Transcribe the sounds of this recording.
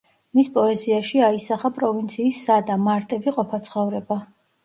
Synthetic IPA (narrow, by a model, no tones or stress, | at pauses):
mispʼɔɛziaʃiaisaχapʼɾɔvint̪sʰiːsːad̪amaɾt̪ʼɛviqʼɔpʰat̪sʰχɔvɾɛba